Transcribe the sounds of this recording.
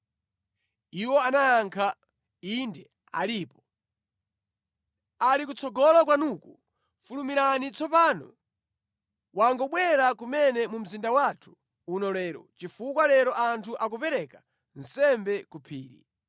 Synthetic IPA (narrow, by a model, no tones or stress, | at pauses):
iwɔanajaŋkʰa | indɛ | a̰liːpɔ | alikut͡sʰɔɡɔlak̬wanuku | fulumiɾanit͡sʰɔpaːnɔ̰ | waŋɡɔɓwɛɾakumɛnɛmum̩zindawatʰu̥ː | nɔlɛːɾɔ̰t͡ʃifukwalɛɾɔʔantʰuʔakupɛɾɛkḁ | n̩sɛmbɛkupʰiːɾḭ